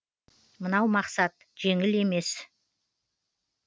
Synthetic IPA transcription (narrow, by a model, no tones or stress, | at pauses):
mənɑwmɑqsɑt̪̚ | ʒ̥e̞ŋɪle̞me̞s